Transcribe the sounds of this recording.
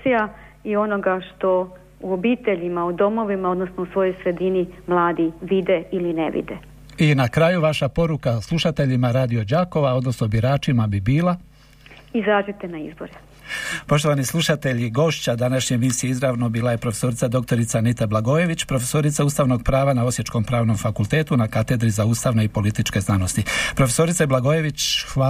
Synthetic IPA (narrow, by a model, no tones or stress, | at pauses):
ija | io̞no̞ɡaʃt̪o̞ | uobiːt̪eʎimaud̪o̞mo̞ʋimao̞d̪nosnousʋo̞jo̞jsɾe̞d̪inimlˠaːd̪iʋid̪eilineʋḭd̪ḛ | inakɾaːjuʋaʃapo̞ɾukaslˠuʃat̪e̞ʎimaɾaːd̪io̞d͡ʑaːko̞ʋao̞d̪no̞snobiɾaːt͡ʃimabibiːla | izaːd͡ʒut̪enaizboɾɛ | po̞ʃt̪oʋanislˠuʃat̪e̞ʎiɡo̞ːʃt͡ɕad̪anaʃɲemisijeizɾaːʋnobiːlaje̞pɾofe̞so̞ɾit̪sad̪o̞k̚t̪o̞ɾit̪sanit̪ablˠaɡo̞je̞ʋit͡ɕpɾo̞fe̞so̞ɾit̪sauːst̪aːʋno̞ɡ̚pɾaːʋanao̞sje̞t͡ʃko̞mpɾaːʋno̞mfakulˠt̪e̞ːt̪unakat̪e̞d̪ɾizauːst̪aʋne̞ipo̞lit̪it͡ʃke̞znano̞st̪ipɾo̞fe̞so̞ɾit̪seblaɡoje̞ʋit͡ɕxʋa